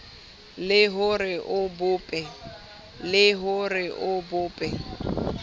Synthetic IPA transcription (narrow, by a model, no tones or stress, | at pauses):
lɪɦʊrɪʔʊbʊːpʼɛ | lɪɦʊrɪʔʊbʊːpʼɛ